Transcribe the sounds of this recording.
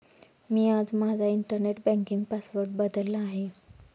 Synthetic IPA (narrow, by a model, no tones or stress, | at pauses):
miːad͡zmad͡zʱaiɳʈəɾneʈbɛ̃ŋkiŋɡpasʋəɾʈ̚bəd̪əlaɦe